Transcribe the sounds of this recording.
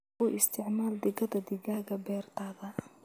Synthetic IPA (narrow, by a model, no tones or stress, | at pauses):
ʊʔɪst̪ʰɪʕmaːld̪ɪɣɐðɐd̪ɪɡaːɣɐbɛːrt̪ʰaːðɐ